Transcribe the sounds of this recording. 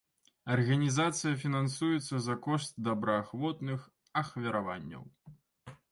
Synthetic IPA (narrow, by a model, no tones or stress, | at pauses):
ɐrɣɐnʲizat̪sɨjɐfʲinansujɛt̪sːɐzɐkɔʂt̪̚d̪ɐbɾɐːxvɔt̪nɨx | ɐxvʲɐɾava̰nʲːɐ̰w